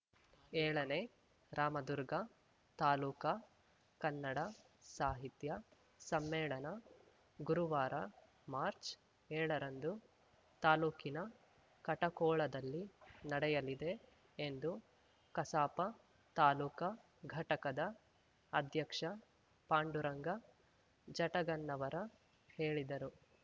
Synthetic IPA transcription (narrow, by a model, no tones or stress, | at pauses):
ɛːɭɐne | ɾaːmɐd̪uɾɡɐ | t̪aːluːkɐ | kɐnːɐɽɐ | saːɦit̪jɐ | sɐmːɛːɭɐnɐ | ɡuɾuʋaːɾɐ | maːɾt͡ʃ | ɛːɭɐɾɐnd̪u | t̪aːluːkinɐ | kɐʈɐkɔːɭɐd̪ɐlːinɐɽɛjɐlid̪e̞ː | nd̪u | kɐsaːpɐ | t̪aːluːkɐ | ɡʱɐʈɐkɐd̪ɐː | d̪ʱjɐkʂɐ | paːɳɖuɾɐŋɡɐ | d͡ʒɐʈɐɡɐnːɐʋɐɾɐ | heːɭid̪ɐɾu